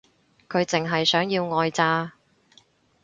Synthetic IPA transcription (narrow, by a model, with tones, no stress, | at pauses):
kʰɵ˨˧ɥt͡sɪ˨ŋɦɐ˨jsœː˨˥ŋjiː˧wŋɔː˧jt͡saː˧